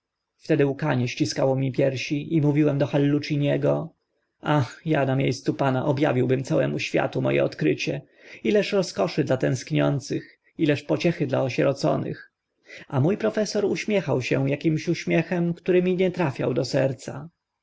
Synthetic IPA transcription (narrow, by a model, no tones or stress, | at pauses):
ft̪ɛd̪ɘukaɲɛɕt͡ɕiskawɔmʲipʲjɛɾɕiʔimuvʲiwɛmd̪ɔxalːut͡ʂiɲɛɡɔ | axjanamʲjejst̪supanaʔɔbja̰vʲiwbɘmt̪sawɛmuɕfʲja̰t̪umɔ̰jɛ̰ɔt̪kɾɘt͡ɕɛ | ilɛʂɾɔskɔʂɘd̪lat̪ɛ̃skɲɔ̰nt̪sɘx | ilɛʂpɔt͡ɕɛxɘd̪la̰ɔɕɛɾɔt̪sɔ̰nɘ̰x | amujpɾɔfɛsɔɾuɕmʲjɛxawɕɛjakʲimɕuɕmʲjɛxɛmkt̪uɾɘmʲiɲɛt̪ɾafʲja̰wd̪ɔsɛɾt̪sa